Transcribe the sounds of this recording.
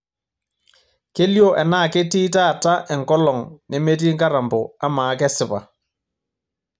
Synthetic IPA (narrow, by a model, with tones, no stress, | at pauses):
ke˦ljo˦ʔɛ˨naː˦˨ke˦ti˦ta˦˨ta˦ʔɛ˨ŋkɔ˦lɔ˨ŋne˦me˦t̬i˦ŋka˦ɾa˨mbɔ˨a˦maː˨˦kɛ˦sɪ˦pa˨